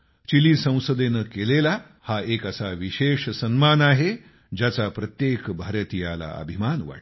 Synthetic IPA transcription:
t͡ɕiliːsə̃w̃səd̪enəkelela | haekasaʋiɕeʂsənmanaɦe | d͡ʑat͡sapɾət̪jekbʱaɾət̪ijala̰ə̰bʱimanʋa̰ʈ

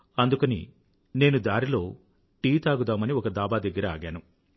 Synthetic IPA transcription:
ɐnd̪ukɐnḭ | ne̞ːnud̪aːɾilo̞ː | ʈiːt̪aːɡud̪aːmɐniɔkɐd̪aːbaːd̪ɐɡːɐɾɐaːɡaːnu

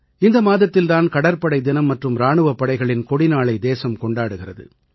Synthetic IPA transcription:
ɪnd̪ɐmaːðɐt̪ːɪlt̪aːnkɐɽɐɾpɐɽɐɪd̪ɪnɐmːɐʈrɯmɾaːɳɯʋɐpːɐɽɐɪɣɐɭɪnkɔɽɪnaːɭɐɪd̪eːsɐmkɔɳɖaːɽɯɣɪrɐðɯ̰

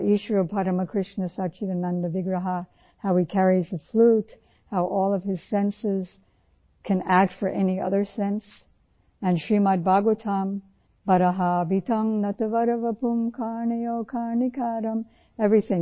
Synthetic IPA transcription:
ʔiʃɹopʰaɾəməkʰɹ̥ɪʃnəsat͡ʃiðɨnãndəvɪɡɹəɦa | haʊikʰɛɹizðəflut | haʊʔɔlˠʌv̥ɪz̥sɛ̃nsɪz̥ | kʰɨ̃næk̚tfə˞ʔɛniʌ̰ðə˞sɛ̃ns | ɨ̃nʃimat̚baɡutʰam | bʌɾəɦabitʌ̃ŋnʌt̪əvʌɾəvəpʰũmkʰaɹniokʰaɹnikʰaɾə̃m | ɛvɹiθɪ̃ŋ

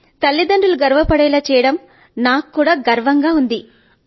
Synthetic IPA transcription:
t̪ɐlːid̪ɐɳɖuluɡɐɾʋɐpɐɽɛjlaːt͡ʃɛːjɐɽɐm | naːkːuːɽaːɡɐɾʋɐŋɡaːund̪i

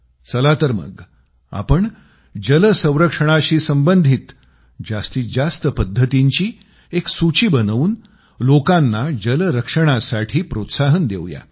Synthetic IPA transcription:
t͡səlat̪əɾmə̰ɡ | a̰pəɳ | d͡ʑələsə̃w̃ɾəkʂəɳ̃aɕiːsəmbənd̪ʱiːt̪ | d͡ʑast̪iːd͡ʑast̪əpəd̪ʱːət̪iɲt͡ɕiː | eksut͡ɕiːbənʋuːn | lokanːad͡ʑələɾəkʂəɽ̃asaʈʰiːpɾot̪saɦənd̪eʋja̰

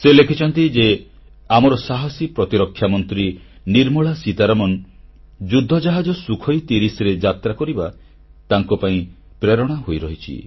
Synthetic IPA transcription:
selekʰit͡ʃʰɔnt̪id͡ʒe | amɔɾɔsaɦɔsipɾɔt̪iɾɔkʰːjamɔnt̪ɾi | niɾmuɭasit̪aɾɔmɔn | d͡ʒud̪ʱːɔd͡ʒaɦad͡ʒɔsukʰɔjt̪iɾisɾed͡ʒat̪ɾakɔɾiba | t̪aŋkɔpaĩ | pɾeɾɔɽ̃aɦojɾɔɦit͡ʃʰḭ

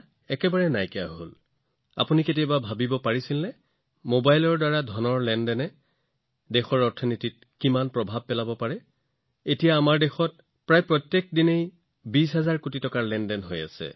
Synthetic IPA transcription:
ɛkɛbaɹɛnajkɛja̰ɦo̰l | a̰puniket̬ijɔbabʱabibɔpaɹisilnɛ | mobajlɔɹdaɹadʱɔnɔɹlɛndɛnɛ | dɛxɔɹɔɹtʰɔnitit̚ | kimanpɹɔbʱab̚pɛlabɔpaɹɛ | etijaːmaɹdɛxɔt̚ | pɹajpɹɔtːjek̚dinej | bisɦazaɹkutitɔkaɹlɛndɛnɦoja̰sɛ̰

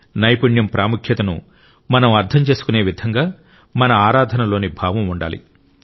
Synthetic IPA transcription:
nɐjpuɳjɐmpɾaːmukʰjɐt̪ɐnṵ | mɐnɐmɐɾd̪ʰʱɐmt͡ʃe̞ːsu̥kune̞ːʋid̪ʱɐŋɡaː | mɐnɐaːɾaːd̪ʱɐnɐlo̞ːnibʱaːʋɐmuɳɖa̰ːlḭ

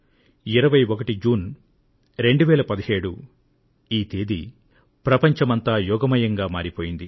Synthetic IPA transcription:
iɾɐʋɐjokɐʈid͡ʒuːn | ɾe̞ɳɖuʋɛːlɐpɐd̪ɐɦeːɽu | iːt̪eːd̪i | pɾɐpɐɲt͡ʃɐmɐnt̪aːjɔːɡɐmɐjɐŋɡaːmaːɾipo̞ːjind̪i

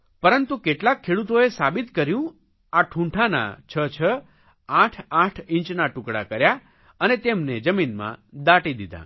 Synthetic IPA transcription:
pəɾənt̪ukeʈlakʰːeɽut̪oesabit̪kəɾjũ | aʈʰũɳʈʰana̰t͡ʃʰət͡ʃʰə | ãʈʰãʈʰɪ̃ɲt͡ʃnaʈʊ̃kɽa̰kəɾja | ənet̪emned͡ʒəminmã̰d̪aʈid̪id̪a̰

